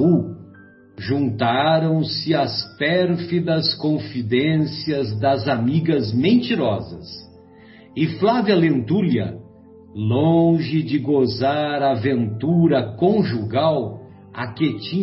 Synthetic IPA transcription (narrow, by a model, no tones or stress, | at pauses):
u | ʒũnt̪aɾɐ̃w̃sɪɐspɛɾfid̪ɐskõfid̪ẽsiɐzd̪ɐzamiɡɐzmẽnt͡ʃiɾɔzɐ̰s | ɪflaviɐlẽnt̪uliɐ̰ | lõʒɪd͡ʒɪɡozaɾavẽnt̪uɾɐkõʒuɡaw | a̰ket͡ʃĩ